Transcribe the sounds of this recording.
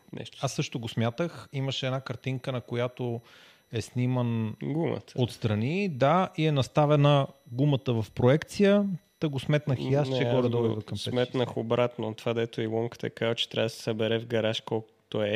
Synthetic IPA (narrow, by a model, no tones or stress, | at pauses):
nʔɛ̰ʃt̪asːɤʃt̪oɡosmʲjat̪əximəʃɛɛd̪nakɐɾt̪iŋkənɐkojat̪o | ɛsnimənɡumə̰t̪ot̪st̪ɾɐnid̪aiɛnɐst̪avɛnəɡumət̪əvɐfpɾoɛkt̪sijət̪əɡosmɛt̪nəxiast͡ʃɛɡɔɾɐd̪ɔbivəkɐmpsɛmɛt̪nəxobɾat̪not̪ovad̪ɛt̪oilˠɔmkə̥t̪ə̰ɛkazvət͡ʃɛ̥t̪ɾʲa̰vd̪əsɛ̥səbɛɾɛvɡɐɾaʃkɔlˠk | t̪oɛ